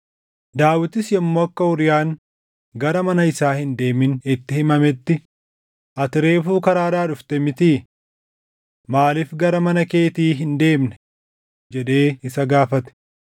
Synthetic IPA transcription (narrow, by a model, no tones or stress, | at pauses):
d̪aːwɪt̪ɪsjɐmːoːɐkːɐʊɾjaːŋ | ɡɐɾɐmɐnɐɪsaːhɪnd̪e̞ːmɪnɪt̪ːɪhɪmɐmɛt̪ːɪ | ʔɐt̪ɪɾe̞ːfuːkɐɾaːɾaːᶑʊft̪ɛmɪt̪iː | maːlɪfɡɐɾɐmɐnɐke̞ːt̪iːɦɪnd̪e̞ːmnɛ | d͡ʒɛᶑe̞ːɪsɐɡaːfɐt̪ɛ̥